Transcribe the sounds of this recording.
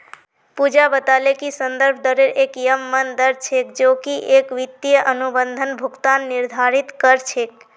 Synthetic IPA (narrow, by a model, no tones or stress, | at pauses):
pud͡ʒabət̪alekisənd̪əɾbʱd̪əɾeɾekjəmːənd̪əɾt͡ʃʰekd͡ʒokiʔekʋit̪ːijəʔənubənd̪ʱənbʱuɡt̪anːiɾd̪ʱaɾit̪kəɾt͡ʃʰek̚